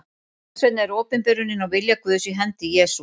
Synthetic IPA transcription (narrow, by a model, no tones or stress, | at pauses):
svɛt̪nɛɾɔːpɪnpɛɾʏnɪnɔɣvɪljakʰvœðʏsiɦɛnt̪ɪjɛːsu